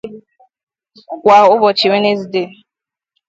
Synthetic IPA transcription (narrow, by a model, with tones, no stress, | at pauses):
kʷa˨ʊ˦bɔ˨t͡ʃi˨we˦ne˦zi˨de˦˨